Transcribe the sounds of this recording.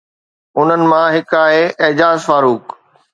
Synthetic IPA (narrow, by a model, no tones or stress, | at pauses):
ʊn̤ənɪ̆mãɦɪkaːɦeɪːd͡ʑaːzfaːɾuːk